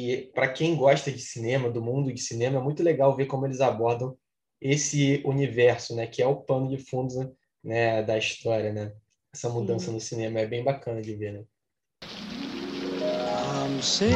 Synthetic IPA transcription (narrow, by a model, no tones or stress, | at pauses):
ɪpɾɐkẽj̃ɡɔʃt̪ɐd͡ʒɪsinẽmɐd̪ʊmũd̪ʊd͡ʒɪsinẽmɐɛmũj̃t̪ʊleɡawvekõmʊelɪzabɔɾd̪ɐ̃w̃ | esɪunivɛɾsʊnɛkɪɛʊpɐ̃nʊd͡ʒɪfũd̪zɐ̃ | nɛd̪ɐiʃt̪ɔɾiɐnɛ | ɛsɐmud̪ɐ̃sɐnʊsinẽmɐɛbẽj̃bakɐ̃nɐd͡ʒɪvenɛ | anɐ̃w̃sej